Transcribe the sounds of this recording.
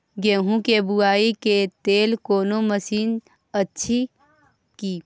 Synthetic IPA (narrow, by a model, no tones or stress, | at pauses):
ɡẽːɦũkebʊaːiket̪eːlkoːnoməsiːn | ətːʃʰi | kiː